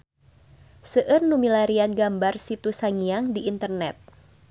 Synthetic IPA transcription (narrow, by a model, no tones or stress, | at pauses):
səʔərnumilaɾianɡambarsit̪usaŋiaŋdiʔːnt̪ərnɛt̪̚